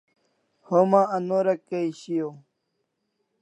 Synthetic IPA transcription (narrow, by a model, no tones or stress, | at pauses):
homãɐnoɾɐkːeiɕijo